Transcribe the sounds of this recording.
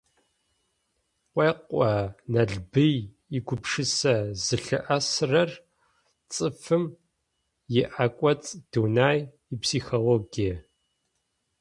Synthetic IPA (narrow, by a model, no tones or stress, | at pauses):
qʷʼeːqʷʼɐnɐɮbɨj | iɡʷʊpʰʂɨsɐzɨɬɨʔɐsrɐr | t͡sʼɨfɨm | jɪʔakʷʼɐt͡sʼd̥uːnaːj | ipsiːxoloːɡijɐ